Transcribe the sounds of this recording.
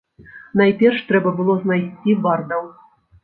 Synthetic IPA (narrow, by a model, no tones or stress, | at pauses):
najpʲɛrʂt̪ɾɛbɐbɨlˠɔznajsʲt͡sʲibard̪ɐw